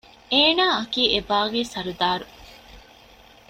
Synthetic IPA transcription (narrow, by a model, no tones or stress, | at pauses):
eːnaːɐkiːebaːɡeːsɐɾud̪aːɾu